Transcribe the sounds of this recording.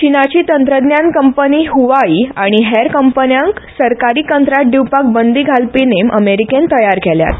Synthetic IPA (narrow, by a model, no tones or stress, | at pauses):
t͡ɕinat͡ɕiːt̪ənt̪ɾəd̪njankəmpəniːɦuʋaiːaɽ̃iɦeɾkəmpənjãŋksəɾkaɾiːkənt̪ɾaʈ̚ɖiwpak̚bənd̪iːɡʱalpinemʔə̰meɾikent̪əjaɾkɛlja̰t̪